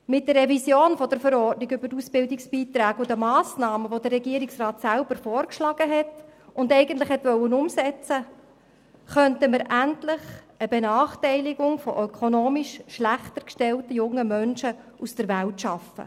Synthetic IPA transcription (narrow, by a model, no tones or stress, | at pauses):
mɪt̚d̥əɾːɛvisjoːnfɔd̥əɾfəɾɔrtniɡʏbəɾtusbɪldɪksb̥iːt̪ɾæːɡʊdəmɑːsnɑːməʋod̥ərːɛɡiəɾiksrɑːtsælb̥əɾfɔːɾkʃlɑɡ̥əɦɛtʊndɛɪɡəntlɪχhɛtʋœwənʊmsɛt͡sə | χœntəməɾʔæntlɪχ | əbɛnɑːχtɛɪlɪɡʊŋfɔ̰ʔœkʰonoːmiʃʃlæχt̪əɾkʃtɛltəjʊŋːəmœnʃəʔusd̥əɾʋæltʃɑfə̰